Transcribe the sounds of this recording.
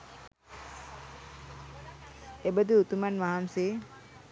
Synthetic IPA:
ebəd̪iut̪umanʋaɦamseː

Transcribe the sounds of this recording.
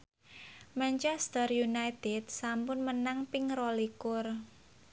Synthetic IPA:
mant͡ʃɛst̪ərjunajt̪ɛd̪̥̚sampʊnmənaŋpɪŋrolikʊr

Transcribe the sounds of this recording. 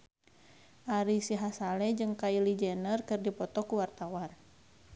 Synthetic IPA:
ʔaɾisiɦasalɛd͡ʒɨŋkailid͡ʒɛnərkɨrdipɔt̪ɔkuwart̪awan

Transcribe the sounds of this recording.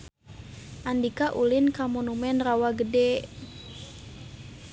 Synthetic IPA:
ʔandikaʔulinkamɔnumɛnrawaɡədɛ

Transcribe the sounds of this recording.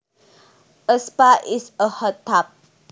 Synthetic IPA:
ʔəspaʔisəhət̪ʰap̚

